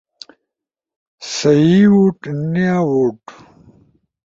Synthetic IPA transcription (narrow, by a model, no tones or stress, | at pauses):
sɐjiwuʈniawuʈ